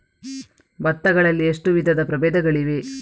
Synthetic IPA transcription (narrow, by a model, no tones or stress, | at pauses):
bɐt̪ːɐɡɐɭɐlːieʂʈuʋid̪ʱɐd̪ɐpɾɐbeːd̪ɐɡɐɭiʋe